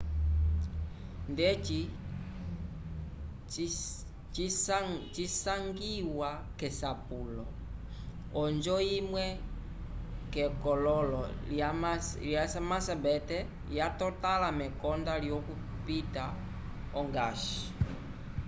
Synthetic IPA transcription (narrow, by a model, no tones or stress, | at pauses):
ndɛt͡ʃi | t͡ʃ | t͡ʃisaŋɡiwa | kɛsapulɔ̰ | ɔnd͡ʒɔimwɛ | kɛkɔlɔlɔaljasamasabɛtɛ | jatɔtalamɛkɔndalijɔku | pita | ɔŋɡaʃi̥